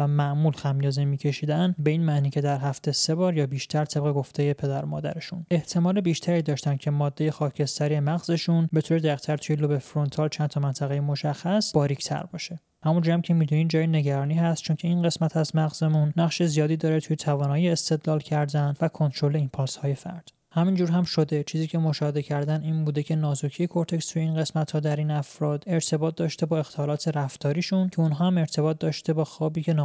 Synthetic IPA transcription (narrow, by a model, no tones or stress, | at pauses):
væmæʔmuːlxæmjɒːzemiːcʰe̞ʃiːd̪ænbe̞iːnmæʔniːcʰe̞d̪æɾɦæft̪ese̞bɒːɾjɒːbiːʃt̪ʰæɾt̪ʰe̞b̚ɣe̞ɡo̞ft̪ʰe̞je̞pʰe̞d̪æɾmɒ̰ːd̪æ̰ɾe̞ʃune̞ht̪ʰe̞mɒːle̞biːʃt̪ʰæɾiːd̪ɒːʃt̪æncʲʰe̞mɒːd̪ːe̞je̞xɒːcʰe̞st̪ʰæɾijemæɣze̞ʃunbe̞t̪ʰoːɾed̪æiqt̪ʰæɾt̪ʰujelobefɾo̞nt̪ʰɒːlt͡ʃʰænt̪ʰɒmænt̪ʰæɣejemoʃæxːæsbɒːɾict̪ʰæ̰ɾbɒ̰ːʃe̞ | hæmund͡ʒuæmcʰe̞miːd̪uniːd͡ʒɒːjene̞ɟæɾɒːniːɦæst̪̚t͡ʃʰoncʰe̞inɢe̞smæt̪ʰæzmæɣzemunːæχʃe̞zijɒːd̪iːd̪ɒːɾet̪ʰuje̞t̪ʰævɒːnɒːjeest̪e̞d̪lɒːlcʰæɾd̪ænvækʰont̪ʰɾo̞le̞impʰɒːlshɒːje̞fæ̰ɾd̪̥ | hæmind͡ʒuːɾɦæmʃo̞d̪e̞t͡ʃʰiːziːcʰe̞mo̞ʃɒːhe̞d̪ecʰæɾd̪æniːnbuːd̪e̞cʰe̞nɒːzocʰijekʰoɾt̪ʰe̞kst̪ʰuje̞iːnɢe̞smæt̪hɒːd̪æɾiːnæfɾɒːd̪e̞ɾt̪ʰe̞bɒːt̪̚d̪ɒːʃt̪e̞bɒːe̞xt̪ʰɒːlɒːt̪ʰe̞ɾæft̪ʰɒːɾiːʃuncʰe̞unɦɒːæme̞ɾt̪ʰe̞bɒːt̪̚d̪ɒːʃt̪ʰe̞bɒːxɒːbiːcʰe̞nː